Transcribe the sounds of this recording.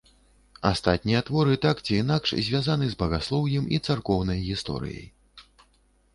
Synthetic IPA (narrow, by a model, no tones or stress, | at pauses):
ast̪at̪̚ʲnʲijɐt̪vɔɾɨt̪akt͡sʲiːnakʂzʲvʲazanɨzbɐɣaslˠɔwjɛmit̪sarkɔwnɐjɣʲist̪ɔ̰ɾɨ̰jɐ̰j